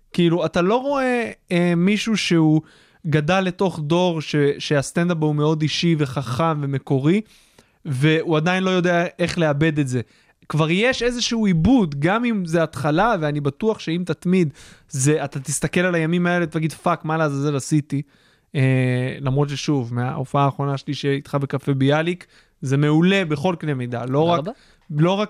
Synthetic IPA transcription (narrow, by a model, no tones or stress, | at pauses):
kiiluat̪alo̞ʁo̞e̞emiʃuʃeu | ɡadalːe̞to̞χd̪o̞ʁʃeʃeast̪end̪apumeo̞d̪iʃive̞χaχamve̞me̞ko̞ʁi | ve̞uad̪ainlojo̞d̪eae̞χleabe̞d̪etze̞ | kvaʁjeʃe̞zeʃuuibud̪ɡamimzeat̪χalaveanibat̪uaχʃe̞imt̪at̪mid̪zeat̪at̪ist̪ake̞lalajamimae̞let̪aaɡid̪fakmalaazaze̞lasit̪i | elamʁo̞t̪̬ʃeʃuvmea̰ofaaːχʁo̞naʃeliʃeit̪χabe̞kafe̞bialik | ze̞me̞ule̞be̞χo̞lknlemid̪a̰lo̞ʁak | lo̞ʁak